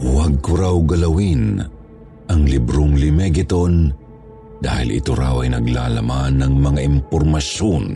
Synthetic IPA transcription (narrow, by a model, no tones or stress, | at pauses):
waɡ̚kʊɾawɡɐlɐwin | ʔɐŋlɪbɾoŋlɪmɛɡɪt̪on | d̪̥a̰ːhɪ̰lɪ̰t̪oɾa̰wɐjnɐɡla̰ːlɐmanːɐŋmɐŋaʔɪmpɔɾmɐʃon